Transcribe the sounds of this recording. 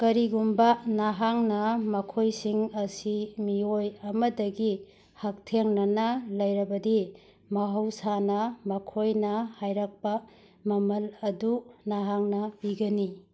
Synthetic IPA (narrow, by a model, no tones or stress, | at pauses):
kɐɾiɡumbɐnaɦaŋnɐmɐkʰojsiŋɐsimiojɐmɐdɐɡi | hak̚tʰeŋnɐnɐlɐjɾɐbɐdi | mɐɦɐwsanɐmɐkʰojnɐhajɾɐk̚pɐ | mɐmɐlɐdunaɦaŋnɐbiɡɐni